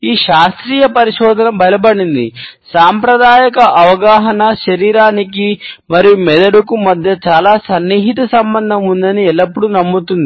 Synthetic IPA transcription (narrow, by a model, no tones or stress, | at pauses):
iːʃaːst̪ɾiːjɐpɐɾiʃɔːd̪ʱɐnɐmbɐjɐbɐɽind̪ḭsaːmpɾɐd̪aːjɐkɐʔɐʋɐɡaːɦɐnɐʃɐɾiːɾaːnikimɐɾijumɛd̪ɐɽukumɐd̪ʱjɐt͡ʃaːlaːsɐnːiːɦit̪ɐsɐmbɐnd̪ʱɐmund̪ɐniɛlːɐpːuɽunɐmːut̪und̪i